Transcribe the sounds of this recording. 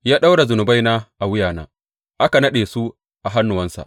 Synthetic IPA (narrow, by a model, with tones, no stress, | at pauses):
jaː˦ɗa˦wɽa˨zʊ˨nʊ˨ba˦jnaː˦ʔa˨wʊ˦jaː˨na̰ː˦ | ʔa˦ka˨nɐ˦ɗeː˨su˦ | ʔa˨ɦa˦nːʊ˨wɐ˦nsa̰˨ʔ